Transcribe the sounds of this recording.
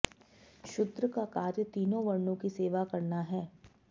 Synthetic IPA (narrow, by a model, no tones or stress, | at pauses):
ʃʊd̪ɾəkakaːɾjət̪iːnõʋɐɾnõkiseːʋakɐɾnaɦɛː